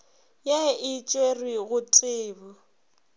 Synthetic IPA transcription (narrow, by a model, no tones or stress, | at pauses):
jɛɪt͡ʃʼweriɣʊtʼɪːbɔ